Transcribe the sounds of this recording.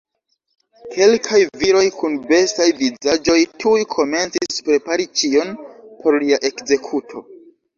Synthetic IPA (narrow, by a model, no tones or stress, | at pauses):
kʰe̞lkʰajviɾo̞jkunbe̞stajvizad͡ʒo̞jtʰujkʰo̞me̞nt͡sispɾe̞paɾit͡ʃio̞npʰo̞ɾliaʔe̞kze̞kʰutʰo̞